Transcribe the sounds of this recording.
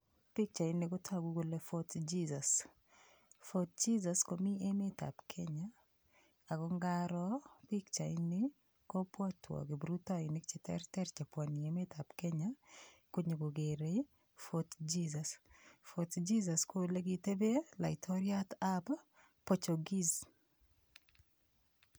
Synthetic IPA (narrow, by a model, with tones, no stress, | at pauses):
pi˦k̚t͡ʃa˨i˦nɪ˨ko˦tʰa˦ɡu˦ɡo˨le˦fot̪d͡ʒizas | fot̪̚d͡ʒi˦zaskomi˦e˦meta̰˨pkʰe˦ɲa˦ | a˨ɡɔ˦ŋɡaɾɔpi˦kt͡ʃa˨ɪnɪ˦ | kɔ˦pwa˦tʰwɔ̰˨ɡɪ˨bɾu˦ta˦inɪk̚t͡ʃɛtɛ̰ɾtɛ˦ɾt͡ʃe˨pwa˨ni˨eme˦tapke˦ɲako˦ɲeɡo˨ɡe˨ɾe | fot̪d͡ʒizasfot̪d͡ʒiza˨skole˦ɡite˦be˦la̰˨ɪtʰɔɾjatab | pot͡ʃo˨ɡi˦z